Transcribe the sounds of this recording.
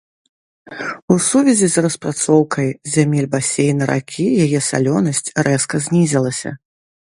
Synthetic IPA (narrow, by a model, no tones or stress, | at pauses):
usuvʲɛzʲizrɐspɾat̪sɔwkʰɐjzʲamʲilʲbasʲejnɐɾa̰kʲʰijajɛsa̰lʲɔnɐsʲt͡sʲrɛskɐzʲnʲizʲɐlˠɐsʲɐ̰